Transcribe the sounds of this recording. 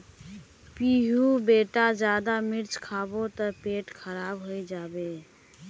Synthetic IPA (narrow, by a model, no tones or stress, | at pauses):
piɦubeʈad͡ʒad̪amiɾt͡ʃkʰabot̪əpeʈkʰəɾabɦojd͡ʒabe